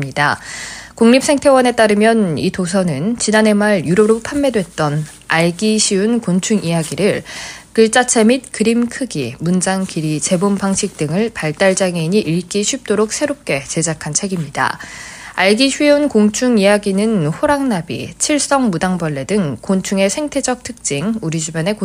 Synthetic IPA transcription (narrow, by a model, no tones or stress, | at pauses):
mɲidakoŋɲip̚sʰeŋtʰe̞wʌne̞t͈aɾɯmjʌnitos̬ʰʌnɯnt͡ɕinane̞maɭjuɾoɾopʰamːe̞dwe̞t̚t͈ʌn | aɭɡiɕʰɥiunkont͡ɕʰuŋijaɡiɾɯɭkɯɭt͡ɕ͈at͡ɕʰe̞mit̚kɯɾimkʰɯɡimund͡ʑaŋkiɾit͡ɕe̞bompaŋɕʰik̚t͈ɯŋɯɭpaɭt͈aɭd͡ʑaŋeiɲiʔiɭk͈iɕʰɥip̚t͈oɾok̚sʰe̞ɾop̚k͈e̞t͡ɕe̞d͡ʑakʰant͡ɕʰe̞ɡimɲida̰aɭɡiɕʰɥiunkoŋt͡ɕʰuŋijaɡinɯnɸoɾaŋnabḭt͡ɕʰiɭs͈ʌŋmudaŋbʌɭːe̞dɯŋkont͡ɕʰuŋe̞sʰe̞ŋtʰe̞d͡ʑʌk̚tʰɯk̚t͡ɕ͈iŋuɾid͡ʑubjʌne̞ko